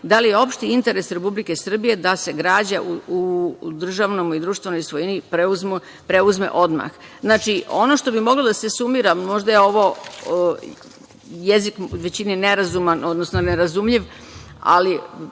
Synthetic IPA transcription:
d̪alijeo̞pʃt̪iint̪e̞ɾe̞sɾe̞publike̞sr̩bije̞d̪ase̞ɡɾaːd͡ʑaʔuud̪r̩ʒaʋnomid̪ɾuːʃt̪vʋe̞no̞jsʋojinipɾeuzmu | pɾeuzme̞̰ʔo̞d̪ma̰xznaːt͡ʃio̞no̞ʃt̪o̞bimo̞ɡlod̪asesumiɾamo̞ʒd̪ajeo̞ʋo̞ | jezikʋe̞t͡ɕinineɾazumano̞d̪nosnoneɾazumʎiʋ | a̰li

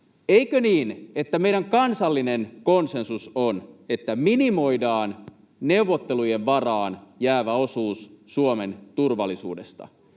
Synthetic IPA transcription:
eikøniːne̞t̪ːæmeijdæŋkɑnsɑlːinenkonse̞nsusone̞t̪ːæminimo̞idɑːn | ne̞uʋot̪ːelujeʋʋɑrɑːnjæːʋæosuːsːuome̞nt̪urʋɑlːˑisṵːdest̪ɑ̰

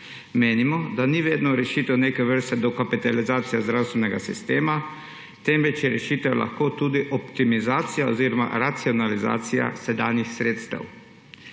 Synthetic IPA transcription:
meːnimɔd̪aniʋeːd̪nɔɾɛʃiːt̪ɛwneːkɛʋəɾst̪ɛd̪ɔkapit̪alizaːt̪sijazd̪ɾawst̪ʋɛnɛɡasist̪eːma | t̪ɛmʋɛt͡ʃjɛɾɛʃiːt̪ɛla̰xkoːt̪uːd̪iʔɔpt̪imizaːt̪sijaoziːɾɔma̰ɾat̪siɔnaliza̰ːt̪sija̰sɛd̪aːnjixsɾeːt̪st̪ɛ̰w

